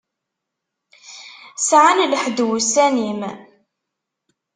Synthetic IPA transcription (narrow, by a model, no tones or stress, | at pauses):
sʕanləħd̪wusænim